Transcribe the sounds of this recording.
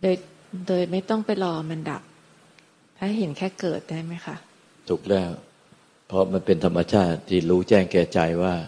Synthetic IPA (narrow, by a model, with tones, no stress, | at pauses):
doː˧jdoː˧jma˥˩jt̪ɔ˥˩ŋpa˧jlɔː˧mʔa˧nda̰˨˩p̚ | t̪ʰaː˦˥˩ɦe˩˦nkʰɛː˥˩kɤː˨˩t̪̚daː˥˩jma˦˥jxʰa˦˥˩ʔ | t̪ʰu˨˩k̚lɛː˥˩w | pʰɾɔ˦˥ma˧npe˧nt̪ʰa˧mːa˧t͡ɕʰaː˥˩t̪̚ːʰiː˥˩ɾuː˦˥t͡ɕɛː˥˩ŋkɛː˧˩t͡ɕa˧jwaː˥˩